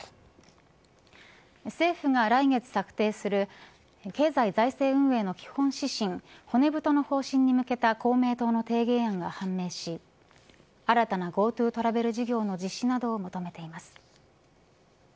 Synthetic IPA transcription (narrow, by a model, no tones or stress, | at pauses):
se̞ːɸɯ̟ŋaɾaiŋe̞t͡sɨ̥sakɯ̟̥t̪e̞ːsɨɾɯ̟ | ke̞ːzaizaise̞ːɯ̟̃ɰ̃e̞ːno̞kʲi̥hõ̞ɰ̃ɕiɕĩŋho̞ne̞bɯ̟t̪o̞no̞ho̞ːɕĩɲ̟ːimɯ̟ke̞t̪ako̞ːme̞ːt̪o̞ːno̞t̪e̞ːɡe̞ːãŋɡahãmːe̞ːɕi | aɾat̪anaɡo̞ːt̪ɯ̟ːt̪o̞ɾabe̞ɾɯ̟ʑiɡʲo̞ːno̞d͡ʑiɕːinad̪o̞ːmot̪o̞me̞t̪e̞imasɨ̥